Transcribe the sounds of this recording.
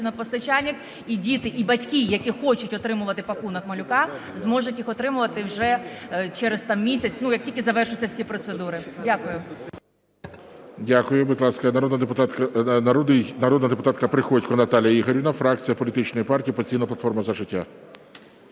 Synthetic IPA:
ɪnɔpɔst̪ɐt͡ʃalʲnʲɪk | idʲit̪ɪʔibɐtʲkʲijɐkʲixɔt͡ʃʊtʲɔt̪ɾɪmʊʋɐt̪ɪpɐkunɐkmɐlʲʊkɑzmɔʒʊtʲjixɔt̪ɾɪmʊʋɐt̪ɪwʒɛt͡ʃɛɾest̪ɑmmʲisʲɐt͡sʲnujɐk̚tʲilʲkʲɪzɐʋɛrʃʊt͡sʲːɐwsʲipɾɔt̪sed̪uɾɪdʲakʊjʊ | dʲakʊjʊbɪd̪lˠɑskɐnɐɾɔd̪nɐd̪epʊt̪t̪nd̪ɪjnɐɾɔd̪nɐd̪epʊt̪ɑt̪kɐpɾɪxɔtʲkɔnɐt̪ɑlʲjɐiɦɔɾʲɪnɐfɾɑk̚t͡sʲijɐpɔlʲit̪ɪt͡ʃnɔjipɑrtʲiːpɐsʲijnɐplˠɐt̪fɔrmɐzɐʒɪtʲːa̰

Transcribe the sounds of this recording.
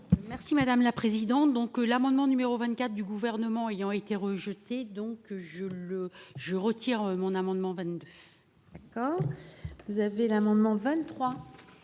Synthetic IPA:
mɛʁsimad̪amlapχezid̪ɑ̃t̪d̪ɔ̃klamɑ̃d̪mɑ̃nymeʁovɛ̃nt̪̚kʲat̪χd̪yɡuvɛʁnəmɑ̃ejɑ̃et̪eʁəʒət̪ed̪ɔ̃kʒələʒəʁət̪iʁømɔ̃namɑ̃d̪mɑ̃vɛ̃t̪d̪ø̥ | akɔːʁvuzavelamɑ̃d̪mɑ̃vɛ̃t̪ːχwa

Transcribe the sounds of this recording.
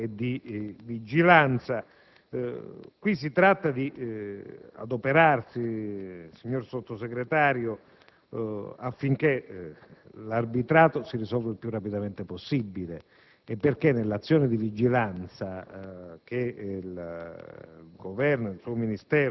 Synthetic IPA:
ed̪ivid͡ʒilant̪sa | kwis̬ːit̪ɾat̪ːad̪i | a̰d̪opeɾarsisiɲːorsot̪ːoseɡɾet̪aːɾjo | afːiŋk̟e | larbit̪ɾaːt̪osirisɔlvailpjurːapid̪ament̪eposːibːile | ɛpːerkenːelːat̪sːjoːned̪ivid͡ʒilant̪sa | k̟el | ɡovɛrnoilsuominist̪ɛːɾ

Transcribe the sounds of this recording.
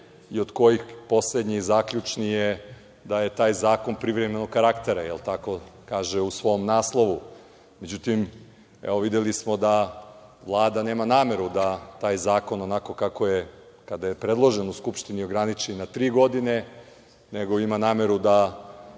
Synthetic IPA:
iod̪ko̞jixpo̞sled̪ɲizaːkʎut͡ʃnije | d̪aje̞t̪aːjzaːko̞npɾiʋɾeme̞nokaɾakt̪eɾajelt̪ako̞kaːʒeusʋo̞mnaːslˠo̞ʋu | med͡ʑut̪im | ḛoʋid̪elismo̞d̪aʋlˠaːd̪ane̞ːmanaːme̞ɾud̪at̪aːjzaːko̞no̞nako̞kako̞jekad̪ajepɾe̞d̪lˠo̞ʒenuskupʃt̪inio̞ɡɾanit͡ʃenat̪ɾiːɡo̞d̪ine̞ | ne̞ɡo̞imanaːme̞ɾud̪a

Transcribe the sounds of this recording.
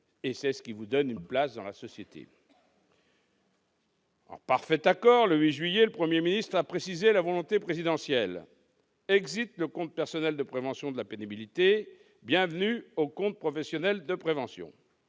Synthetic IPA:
esɛsə̥kʲivud̪ɔnynplasd̪ɑ̃lasɔsjet̪ʰḛ | ɑ̰̃paʁfɛt̪akɔʁləɥiʒɥijeləpχəmjeminist̪χapχesizelavɔlɔ̃t̪epχezid̪ɑ̃sjɛl | ɛɡzit̪ləkɔ̃t̪̚pɛʁsɔnɛld̪əpχevɑ̃sjɔ̃d̪əlapenibilit̪e | bjɛ̃vənyokɔ̃t̪̚pχɔfɛsjɔnɛld̪əpχevɑ̃sjɔ̰̃

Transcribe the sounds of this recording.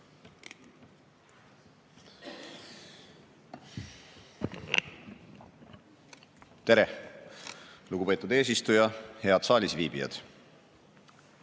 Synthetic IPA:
t̪e̞ɾe | luɡ̥upe̞ːt̪ːˑud̪e̞ːs̬ist̪ujɑhe̞ɑd̪̥sɑːlʲisviːb̥ijɑ̰d̪̥

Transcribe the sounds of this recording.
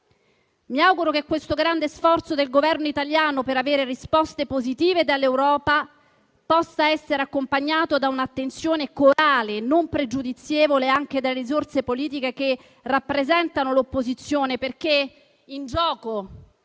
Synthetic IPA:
miawɡuɾokekːwest̪oɡɾand̪esfɔrt̪sod̪elɡovɛrnoit̪aljaːnopeɾaveːɾerispɔst̪epozit̪iːved̪alːewɾɔːpa | pɔsːaɛsːeɾeakːompaɲːaːt̪od̪aunat̪ːent̪sjoːnekoɾaːlenompɾed͡ʒud̪it̪sːjeːvoleaŋk̟ed̪alːeɾizort̪sepoliːt̪̬ikeke | rapːɾezɛnt̪anolopːozit̪sːjoːneperk̟e | ind͡ʒɔːko

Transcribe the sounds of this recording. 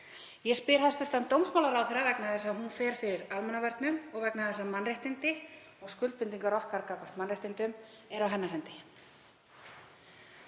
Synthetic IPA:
jɛspɪɾ̥hast̪ʏl̥t̪ant̪owmsmawlaɾawθeɾavɛknaθɛsːaɦunfɛːɾ̥fɪɾɪɾalmɛnavɛɾt̪nʏmɔɣvɛknaθɛsːamanraht̪ɪnt̪ɪ | ɔɣskʏlt̪pɪnt̪iŋkaɾɔhkaɾkakʰɔr̥t̪manrajht̪ɪnt̪ʏm | ɛɾawɦɛnːaɾɦɛnt̪ɪ

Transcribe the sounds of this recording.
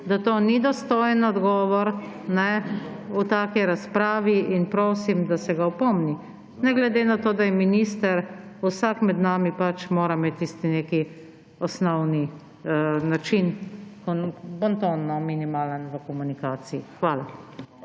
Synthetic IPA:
d̪at̪oːnid̪ɔst̪oːjɛnɔd̪ɡɔːʋɔɾ | nɛ | ut̪aːkiɾaspɾaːʋiinpɾoːsimd̪asɛɡawpɔmni | nɛɡlɛd̪eːnat̪oːd̪ajɛminiːst̪əɾusakmɛd̪naːmipat͡ʃmoːɾameːt̪ːist̪ineːki | ɔsnɔwni | nat͡ʃinkɔnbɔnt̪onnɔminimaːlənʋəkɔmunikaːsiixʋaːla

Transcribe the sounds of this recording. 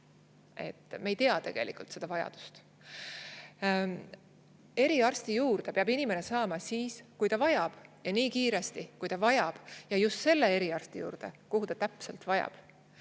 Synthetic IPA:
e̞̰t̪ːˑmejt̪eɑt̪e̞ɡ̥e̞̰lʔḭkult̪se̞d̪ɑvɑjɑ̰d̪̥u̥st̪ | e̞ɾiɑrst̪ijuːrd̪̥e̞peɑbinime̞ne̞sɑːmɑsiːskujt̪ɑvɑjɑb̥jɑniːkiːɾe̞st̪ikujt̪ɑvɑjɑb̥jɑjust̪se̞lːe̞e̞ɾiɑrst̪ijṵːɾd̪̥e̞̰koɦut̪ɑt̪æpselt̪vɑjɑ̰b̥

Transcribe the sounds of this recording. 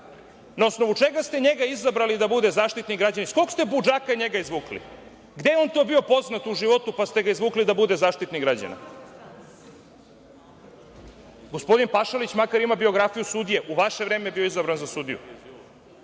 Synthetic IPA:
naosno̞ʋut͡ʃeɡast̪eɲeɡaizabɾalid̪abud̪e̞zaːʃt̪it̪niɡɾad͡ʑanisko̞kst̪e̞bud͡ʒakaɲe̞ɡaizʋuːklḭ | ɡd̪e̞jeo̞nt̪o̞ːbio̞po̞znat̪uʒiʋo̞t̪upast̪e̞ɡaizʋuːklid̪abud̪e̞zaːʃt̪it̪niɡɾad͡ʑa̰na̰ | ɡo̞spo̞d̪inpaʃalit͡ɕmakaɾimabio̞ɡɾafijusud̪ije̞ʔuʋaʃeʋɾeːmejebio̞izabɾanzasud̪ḭjṵ

